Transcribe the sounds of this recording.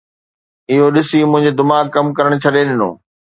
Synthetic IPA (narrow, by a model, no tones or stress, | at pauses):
ɪɦoɗɪsimʊ̃ɦɪ̃ɲd͡ʑed̪ɪmaːkːɐmkɐɾəɽ̃t͡ɕʰɐɗeɗɪno̰ː